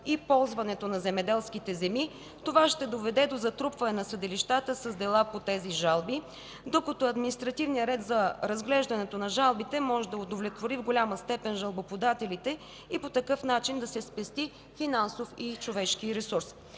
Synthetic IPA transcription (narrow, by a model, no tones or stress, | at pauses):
ipɔlˠzvɐnɛt̪onɐzɛmɛd̪ɛlˠsk̟it̪ɛzɛmi | t̪ovaʃt̪ɛd̪ovɛd̪ɛd̪ozɐt̪ɾupvɐnɛnɐsɐd̪ɛliʃt̪at̪əsɐzd̪ɛlˠapot̪ɛziʒalˠbi | d̪okət̪oɐd̪minist̪ɾɐt̪ivnijəɾɛt̪zɐɾɐzɡlɛʒd̪ɐnɛt̪onɐʒalˠbit̪ɛmɔʒɛd̪ɐod̪ovlʲɛt̪voɾivɡolʲaməst̪ɛpɛnʒɐlˠbopod̪at̪ɛlit̪ɛ | ipot̪ɐkɤfnat͡ʃind̪ɐsɛspɛst̪i | finansofit͡ʃovɛʃk̟iɾɛsuɾs